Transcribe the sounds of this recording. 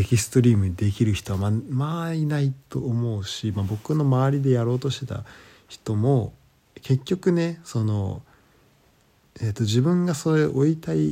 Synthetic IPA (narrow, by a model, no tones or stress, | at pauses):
ekʲisɨ̥t̪o̞ɾʲiːmɯ̟d̪e̞kʲiɾɯ̟çi̥t̪o̞βamamainait̪o̞̰ːmo̞ɯ̟ɕimabo̞kɯ̟no̞maβaɾʲid̪e̞jaɾo̞ːt̪o̞ɕt̪e̞t̪a̰ | çi̥t̪o̞mo̞ | ke̞kʲːo̞kɯ̟ne̞so̞no̞̰ | et̪ːo̞ʑibɯ̟̃ŋɡaso̞ɾeʔo̞it̪ai